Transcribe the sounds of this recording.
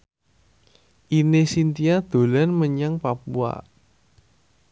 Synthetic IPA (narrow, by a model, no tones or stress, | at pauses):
ʔinesint̪iad̪̥o̤lanməɲaŋpapua̰